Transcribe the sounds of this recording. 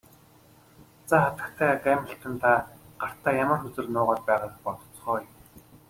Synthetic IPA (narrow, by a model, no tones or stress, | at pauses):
t͡saːχat̪ə̥̆kt̪ʰæːɡæːmə̆ɬt̪ə̆nt̪ʰaɢ̥ar̥t̪ʰaːjamə̆rxɵt͡sɵ̆rnʊːʁɔːt̪̚pæːʁaːpɔt̪ɞ̥̆t͡sχœːjm